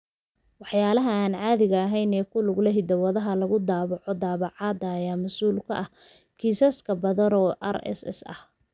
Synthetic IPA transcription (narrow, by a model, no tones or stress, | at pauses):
wɑħjaːlɐɦɐaːnʕɑːðɪɣɐːɦɛjnɛːkʰʊlʊɡlɐɦɪd̪ɐwɐðɐɦɐlɐɣʊd̪aːβɑʕɔd̪aːβɑʕɑːd̪ɐːjaːmɐsuːlkʰɐ̰ʔɐh | kʰiːsɐskʰɐbɐðɐnɔːʔɐ̰ɾɛ̰sɛ̰sɐ̰h